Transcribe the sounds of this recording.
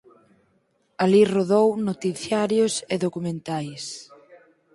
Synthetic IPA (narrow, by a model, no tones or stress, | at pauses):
aliroðownot̪iθjaɾjoseðokumẽnt̪ajs